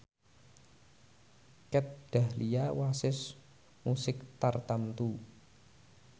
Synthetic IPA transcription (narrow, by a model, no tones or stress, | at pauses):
kɛt̪̚ɖ̥ahlijawasɪs | musɪkt̪art̪amt̪u